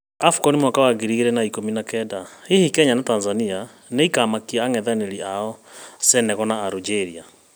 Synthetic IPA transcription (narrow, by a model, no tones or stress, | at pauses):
afu̥kɔnimwakawaɡiɾiɣeɾɛnaikominakɛdahihikɛɲanatanzania | neikamakiaːŋɛðaneɾiaɔsɛnɛɣɔnaːɾud͡ʒeɾia